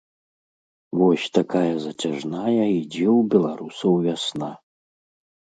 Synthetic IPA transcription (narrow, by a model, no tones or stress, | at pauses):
vɔsʲt̪akajɐzɐt͡sʲaʐnajɐid͡zʲiwbʲɛlˠaɾusɐwvʲasna